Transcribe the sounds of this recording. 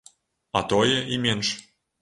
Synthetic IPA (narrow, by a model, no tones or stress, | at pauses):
ɑ̰t̪ojə̆imʲenʃ